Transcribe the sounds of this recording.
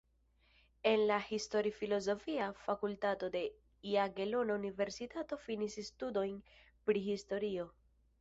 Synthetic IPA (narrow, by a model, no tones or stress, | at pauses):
e̞nlahisto̞ɾifilo̞zo̞fiafakultato̞de̞ | iaɡe̞lo̞naunive̞ɾsitato̞finisstudo̞jn | pɾihisto̞ɾio̞